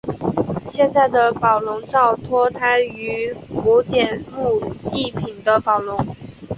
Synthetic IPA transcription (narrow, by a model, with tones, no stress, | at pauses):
ɕjɛ˥˧nt͡sa˥˩ɪd̪ə˩pɑ˨˩ʊlʊ˧˥ŋʈ͡ʂɑ˥˩ʊt̪ʰwɔ˥t̪ʰa˧˥ɪy˧˥fu˧˥t̪jɛ˨˩nlu˥˧i˥˩pʰi˨˩nd̪ə˦pɑ˨˩ʊlʊ˧˥ŋ